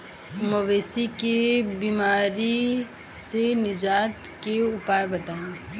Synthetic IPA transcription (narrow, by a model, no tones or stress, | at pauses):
məʋeːsikebiːmaːɾi | senɪd͡ʒaːt̪keʊpaːɾbɐt̪aːũ